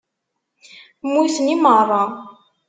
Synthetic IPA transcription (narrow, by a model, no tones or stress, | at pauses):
mːuθənimərˤːɑ